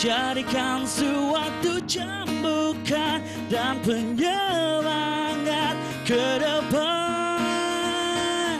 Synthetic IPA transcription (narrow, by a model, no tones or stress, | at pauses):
t͡ʃaɾikʰansuwat̪ːut͡ʃa | mbukʰːan | danpəɲəwaŋət̪̚ | kəɾəbə